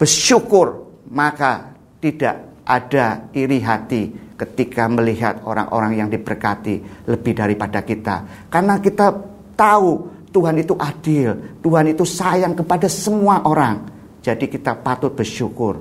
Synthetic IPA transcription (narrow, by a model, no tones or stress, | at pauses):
b̥ərʃukʊrmaka | t̪idaʔʔa̰daiɾiɦat̪ikət̪ikaməliɦa̰t̪̚o̰ɾa̰ŋʔo̰ɾaŋjaŋdibərkat̪iləbɪhdaɾipadakit̪a̰ | karnakit̪a | t̪aut̪uɦanit̪uʔad̥ɪlt̪uɦanit̪usajaŋkəpadasəmuaʔoɾaŋ | d͡ʒadikit̪apat̪ʊt̪̚b̥ərʃukʊr